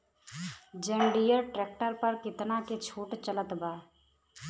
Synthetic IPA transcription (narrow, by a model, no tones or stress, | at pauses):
d͡ʒẽːɳɖijəɾʈɾɛːk̚ʈəɾpəɾkɪt̪naket͡ʃʰoːʈt͡ʃələt̪baː